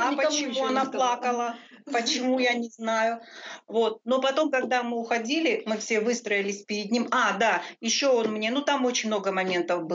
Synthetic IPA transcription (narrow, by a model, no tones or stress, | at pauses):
ɐpət͡ɕɪmuɐnaplˠakəlˠə | pət͡ɕɪmujanʲɪznajʊvo̞t̪̚no̞pɐt̪o̞mkɐɡ̚d̪amɨʊxɐdʲilʲɪmɨfsʲe̞vɨst̪ɾəɪlʲɪsʲpʲɪɾʲɪd̪nʲimad̪ajɪɕːoonmnʲe̞nut̪amo̞t͡ɕɪnʲmno̞ɡəmɐmʲe̞nt̪əfbɨ